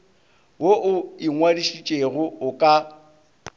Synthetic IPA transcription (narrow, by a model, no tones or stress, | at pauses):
woʔʊɪŋwadiʃit͡ʃʼeɣʊʊkʼa